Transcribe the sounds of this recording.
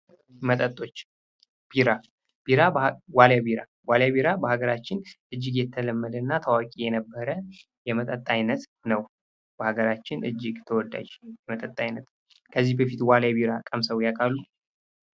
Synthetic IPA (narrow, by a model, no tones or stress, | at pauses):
mət̪ʼət̪ʼːo̞t͡ʃː | b̥iɾa | b̥iɾawaljabiɾa | waljabiɾabəhaɡəɾat͡ʃːɪnʔɨd͡ʒːɪɡjɛt̪ʰːələmːəd̪ənːat̪ʰəwakʼijɛnəbːəɾə | jɛmət̪ʼət̪ʼːajnːət̪nəw | b̥əhaɡəɾat͡ʃːɪnʔɨ̰d͡ʒːɪɡt̪ʰəwɔd̪a̰d͡ʒjɛmət̪ʼət̪ʼːajnːət̪ | kʰəzːihbəfit̪waljabiɾakʼəmsəwjakʼalːu